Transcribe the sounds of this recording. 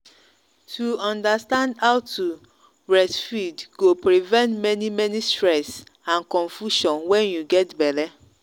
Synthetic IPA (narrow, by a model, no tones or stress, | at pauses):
tʰuɔ̃ndastãndaʊtʰu | ɹɛsfidɡ̥opɾivɛ̃ntmɛnimɛnistɹɛs | ãnkɔ̃nfuʃɔ̃nwɛ̃njuɡɛtbɛlɛ